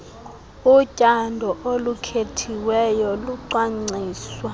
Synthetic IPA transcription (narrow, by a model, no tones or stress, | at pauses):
ucʼandʱɔʔolukʰetʰiwɛjɔluǀaŋ͡ǀiːswa